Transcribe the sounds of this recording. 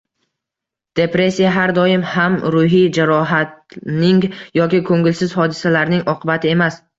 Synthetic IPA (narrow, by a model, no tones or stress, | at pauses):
d̪̥e̞pɾe̞sːijaɦaɾd̪ɒɪmhamɾʊɦid͡ʒaɾɒɦat̪nɪŋjɒkʲɪkʰɵŋɪlsɪzhɒd̪ɪsalaɾnɪŋɒqʰɨbat̪ʰɪe̞mas